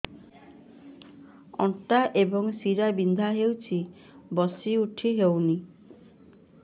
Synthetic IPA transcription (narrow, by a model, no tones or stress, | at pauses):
ɔ̰ɳʈaʔebɔŋsiɾabind̪ʱaɦewt͡ʃʰi | bɔsiuʈʰiɦewni